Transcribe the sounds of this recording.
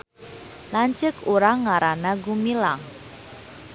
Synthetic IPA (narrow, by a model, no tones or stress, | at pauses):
laɲt͡ʃəkuɾaŋːaɾanaɡumila̰ŋ